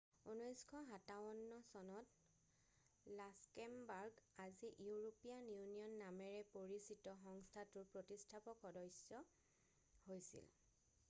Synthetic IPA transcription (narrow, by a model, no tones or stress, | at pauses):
unɔjskʰɔɦataɔnːɔsɔnɔt | laskɛmbaɹɡaziʔiuɹopijanjunijɔnːamɛɹɛpoɹisitɔxɔŋstʰatʊɹpɹotistʰapɔkɔdɔjsɔ | hojsḭl